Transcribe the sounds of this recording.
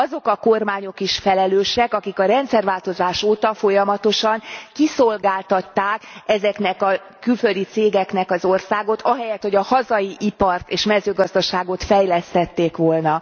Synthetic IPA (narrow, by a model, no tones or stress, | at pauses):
ɒzo̞kɒkormaːɲo̞kiʃfɛlɛløːʃɛkɒkikɒɾɛnt̪sɛrvaːlt̪o̞zaːʃoːt̪ɒfo̞jɒmɒt̪oʃɒŋkisolɡaːlt̪ɒt̪ːaːkɛzɛknɛkɒ | kylfø̞ld̪it̪seːɡɛknɛkɒzo̞rsaːɡo̞t̪ʰɒɦɛjɛt̪ho̞ɟɒhɒzɒjiʔipɒrt̪eːʃmɛzøːɡɒzd̪ɒʃaːɡo̞t̪fɛjlɛst̪ɛt̪ːeːkʋo̞lnɒ